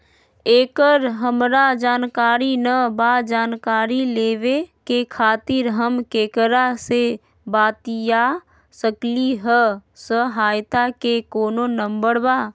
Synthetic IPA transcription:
eːkəɾɦəmɾad͡ʒaːnkaːɾinəbad͡ʒaːnkaːɾileːʋekekʰaːt̪ɪɾɦəmkekəɾase | baːt̪ija | səkliɦəsəɦaːjt̪akekoːnonəmbəɾba

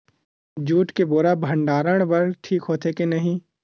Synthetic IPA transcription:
d͡ʒuːʈkeboːɾabʱɐ̃ɳɖaːɾəɽ̃bɐɾʈʰiːkɦoːt̪ʰekenɐɦĩː

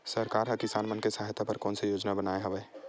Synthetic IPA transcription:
sɐɾkaːɾɦɐkɪsaːnmənkesaɦjt̪ʰapɐɾkɔːnsejoːd͡ʒnabənaːeɦɐʋeː

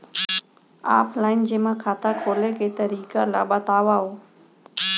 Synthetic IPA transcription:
a̰ːplaːɪnd͡ʑeːmãːkʰaːt̪aːkʰoːlekʰeːt̪əɾiːkala̰ːɓət̪aːʋaɦoː

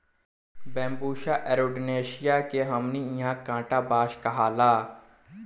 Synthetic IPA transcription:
bɛ̃ːmbuːʃaːʔɛːɾoːɖneːʃɪjaːkeɦəmniɪjãːkãːʈaːbaːʃkaɦaːlaː

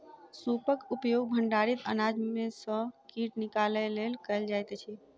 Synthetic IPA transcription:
supəkupjoɡ̚bʱəɳɖaɾit̪ə̰nad͡ʒmesə̃kiʈnikaləlelkəɪld͡ʒajt̪ɛt͡ʃʰɛ

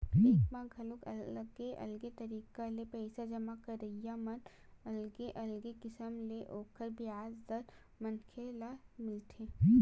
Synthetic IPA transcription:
eːkmãɡʱɐlokɐɡeʔɐ̰lɡet̪ɐɾiːkalepɛːsad͡ʒɐmakɐɾəijamɐn | ɐlɡeʔɐlɡekɪsəmleʔoːkəɾbɪjaːzːɐɾ | mɐnkʰelamɪlt̪ʰeː

